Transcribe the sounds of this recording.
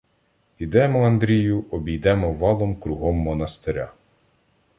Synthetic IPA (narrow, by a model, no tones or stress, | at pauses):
pʲid̪ɛmɔɐnd̪ɾʲijʊʔɔbʲijd̪ɛmɔʋɑlˠɔmkɾʊɦɔmːɔnɐst̪eɾʲa